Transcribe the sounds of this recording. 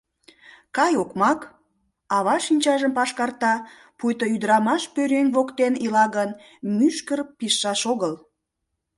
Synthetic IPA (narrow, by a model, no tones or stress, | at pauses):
kɑjokmɑk | ɑβɑʃinʲt͡ɕɑʒəmpɑʃkɑrt̪ɑ | pujt̪oyd̪ɾɑmɑʃpøɾenʲβokt̪enilɑɣən | myʃkərpiʃːɑʃoɣəl